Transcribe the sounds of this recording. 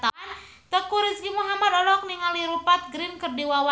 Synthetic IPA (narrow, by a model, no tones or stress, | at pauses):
t̪an | t̪əkuɾisɡimuɦamad̪ɔlɔk̚niŋaliɾupat̪̚ɡɾinkərdiwawa